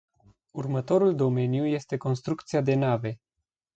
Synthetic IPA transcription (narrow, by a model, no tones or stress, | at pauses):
urmət̪o̞ɾuld̪o̞me̞njuje̞st̪e̞ko̞nst̪ɾukt̪siad̪e̞nave̞